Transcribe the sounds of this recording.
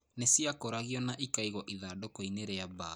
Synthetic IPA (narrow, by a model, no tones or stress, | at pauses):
nesiakoɾaɣiɔnaʔikaiɣɔʔiðaːdokoineɾɛaba